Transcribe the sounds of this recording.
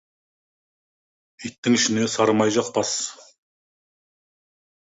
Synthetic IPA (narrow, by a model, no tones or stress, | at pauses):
ijt̪ːɪŋɪʃɪne̞sɑɾmɑjʒɑq̚bɑs